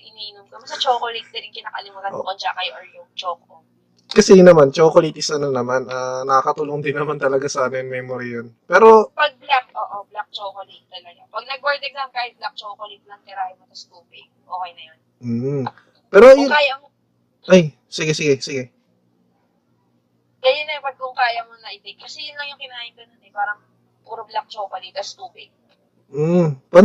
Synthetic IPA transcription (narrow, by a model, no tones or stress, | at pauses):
ʔɪniːnomkɐbɐsɐt͡ʃoːkolijt̪̚d̪ɛnɪŋkɪnaːʔɐlɪmɐkɐʔo̰kont͡ʃakɐjʔoɹjʊŋt͡ʃoːko | kɐsɛnɐmant͡ʃoːkolit̪ɪsɐnɐnɐmanʔaːnɐkɐkɐt̪uloŋd̪ɪnːɐmant̪ɐlɐɡasaːmɛnmɛːmoɾɪjonpɛːɾo̞pɐɡ̚blak̚oːʔoblak̚t͡ʃoːkolit̪̚ːɐlɐɡapɐɡ̚nɐɡ̚ʔoɹd̪ɛɾnɐmɐnkaːhɪt̪̚blak̚t͡ʃoːkolɪt̪̚blɐŋt̪ɛɾaːjɪmɐt̪ɐskuːpɪ | ʔoːkɐjnɐjon | m̩ː | pɛːɾokaːja | ʔaj | sɪɡɛsɪɡɛsɪɡɛ | kɐjʊnːɐpɐɡ̚kʊŋkaːjɐmonɐʔɪt̪ɛk̚kɐsɛjʊnlɐŋjʊŋkɪnaːʔɪnd̪ɐnonɛpaːɾɐŋ | puːɾoblɐk̚t͡ʃokɐnit̪ɐskuːpɪɡ̩̚ | pɐ